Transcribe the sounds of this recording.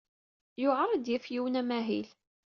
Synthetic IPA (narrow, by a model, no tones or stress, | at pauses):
jʊʕɑrˤːɑd̪jɪfjiwnæmæɦḭl